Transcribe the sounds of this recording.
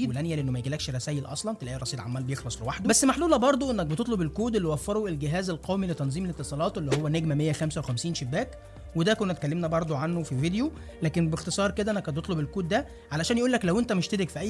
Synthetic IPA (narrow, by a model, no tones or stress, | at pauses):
iːd̪lænjæleʔenːomæjeɡilæːkʃɾˤæsæːjelʔɑ̰sˤlɑnt̪elʔæːʔrˤːɑsˤiːd̪ʕa̰mːæːlbejexlɑsˤlewaħd̪bæsːmaħluːlæbɑɾˤd̪ˤoʔenːæk̚bet̪et̪ˤlobelkuːd̪elːiwæfːɑɾˤoʔelɡeɦæːzelqæːwmilet̪ænzˤiːmelet̪ːesˤɑːlɑːt̪ˤʔelːihowːænæɡmæmejːæxæmsæwexæmsiːnʃebːæːk | wed̪ækonːæt̪̚kælːemnæbɑɾˤd̪ˤoʕanːofivid̪ejo | læːkenbext̪esˤɑːɾˤked̪æʔænækæbet̪ˤlobelkuːd̪ːæ | ʕalæʃæːnjʔuːlːæklæwʔent̪æmeʃt̪ed̪ekfiʔæjː